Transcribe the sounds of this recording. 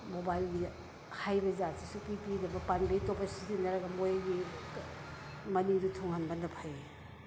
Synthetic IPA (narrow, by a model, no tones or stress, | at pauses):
mobajlɡi | hajbɐzasisukipidɐbɐpanbejtopɐsizinɐɾɐɡɐmojaɡi | mɐniŋdutʰoŋanbandɐpʰaj